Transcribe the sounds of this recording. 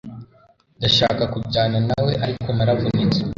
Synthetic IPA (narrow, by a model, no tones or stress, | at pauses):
ndaʃa̰ːkakuɟaːnanawe̞ʔaɾiko̞maɾavonet͡se̥